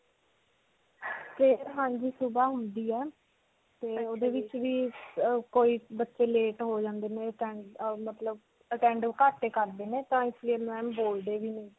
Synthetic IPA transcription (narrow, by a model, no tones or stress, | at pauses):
peːɾɦãːnd͡ʒiːsubaːɦʊnd̪iːɛː | t̪eːoːd̪eːʋɪt͡ʃʋiːkoːiːbətːʃeːleːʈɦoːd͡ʒãːnd̪eːnẽːəʈɛ̃ːɳɖmət̪ləb | əʈɛ̃ːɳɖkaːʈːeːkəɾd̪eːneːt̪ãːɪslieːmɛ̃ːboːld̪eːʋiːnəĩː